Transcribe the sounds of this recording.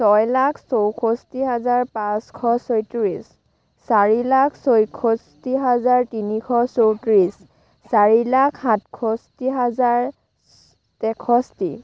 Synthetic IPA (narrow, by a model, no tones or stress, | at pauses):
sɔjlakʰsowkʰɔstiɦazaɹpaskʰɔsojtɹis | saɹilakʰsojkʰɔstiɦazaɹtinikʰɔsowtɹis | saɹilakʰhatkʰɔstiɦazaɹ | tɛkʰɔsti